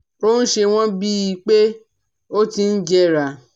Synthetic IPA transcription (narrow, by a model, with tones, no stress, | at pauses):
ɾo˦n̩˦ʃe˧w̃ɔ̃˦bi˦i˧k͡pe˦ | o˦ti˧n̩˦d͡ʒɛ˧ɾa˨